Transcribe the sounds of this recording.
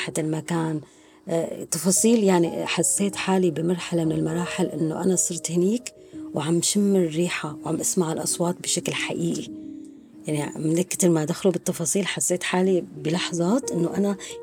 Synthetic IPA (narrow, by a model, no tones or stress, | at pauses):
ħaɪlmakaːn | t̪ˤːɑfɑːsˤiːljaʕniħasːeːt̪ħaːlibɪmɑɾˤħalamɪnɪlmɑɾˤɑːħɪlʔɪnːo̰ʔanasˤɨɾt̪hɪniːk | wʕamʃɪmːɪrːiːħawʕamʔasmaʕɪlʔɑsˤwɑːt̪̚bɪʃaklħa̰ʔiːʔi | jaʕnimɪnɪkːɪ̥t̪ɪɾmad̪axlubɪɨt̪ˤːɑfɑːsˤiːlħasːeːt̪ħaːlibɪlɑħzˤɑːt̪ʔɪnːoʔana